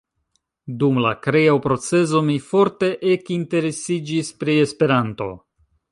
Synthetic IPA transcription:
dumla̰kɾeapɾo̞t͡se̞zo̞mifo̞ɾte̞ʔekinte̞ɾe̞sid͡ʒispɾie̞spe̞ɾanto̞̰

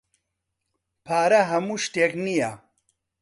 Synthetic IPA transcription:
pʰaːɾɐɦɐmuːʃt̪eːknija

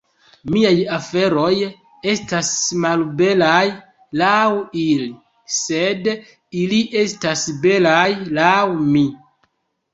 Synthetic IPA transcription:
miajafe̞ɾo̞j | e̞stasmalbe̞laj | lawili | se̞d | iliʔe̞stasbe̞lajlawmi

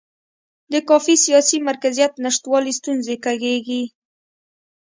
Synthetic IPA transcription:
d̪əkɑfisijɑsimaɾkazijat̪naʂt̪wɑlist̪unzekaɡeɡi

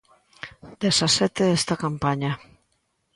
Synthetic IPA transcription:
d̪esasɛt̪eest̪akampaɲa

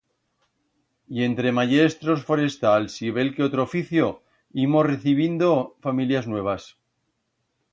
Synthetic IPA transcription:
je̞nt̪ɾe̞maʝe̞st̪ɾosfo̞ɾe̞st̪alsiβ̞e̞lkeot̪ɾofiθjo̞ | imo̞sreθiβ̞ind̪o̞familjaznwe̞β̞as

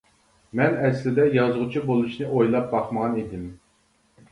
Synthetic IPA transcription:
mɛnɛslɪd̪ɛjɑzʁʊt͡ʃʰibolˠuʃnɨʔojlˠɑp̚bɑχməʁɑnid̪ɪm

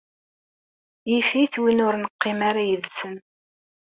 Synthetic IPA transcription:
jifiθwinʊɾnəqːɪmaɾajəðsən

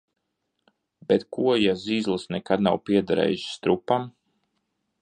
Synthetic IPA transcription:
bɛt̪kuɔjaziːzlˠɨsnɛkad̪̚nawpiɛd̪aɾɛ̰ːjuʃst̪ɾupam

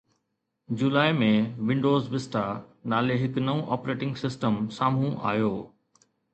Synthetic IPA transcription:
d͡ʑulaːemẽʋɪ̃ɳɖoːzʋɪsʈanaːleɦɪknɐʋũʔɔːpɾeːʈɪ̃ŋɡsɪsʈəmsaːm̤ũʔa̰ːjoː

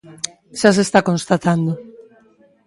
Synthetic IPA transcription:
ʃas̬est̪akonst̪at̪and̪o

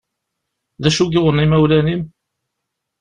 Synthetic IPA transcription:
ðæʃuɡɪwənimæwlænim

